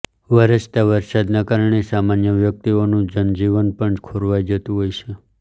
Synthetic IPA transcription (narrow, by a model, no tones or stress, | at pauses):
ʋəɾəst̪aʋəɾsad̪nakaɾəɳesamanjəʋjək̚t̪ionũd͡ʒənd͡ʒiʋənpəɳd͡ʒkʰoɾʋajd͡ʒət̪ũɦojt͡ʃʰe